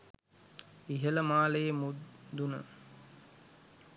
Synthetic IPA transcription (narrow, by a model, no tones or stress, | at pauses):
iɦələmaːlejemud̪unə̰